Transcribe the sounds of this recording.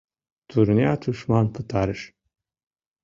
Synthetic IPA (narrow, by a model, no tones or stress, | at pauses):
t̪ʰuɾniat̪ʰuʃmanpʰɯt̪ʰaɾɨʃ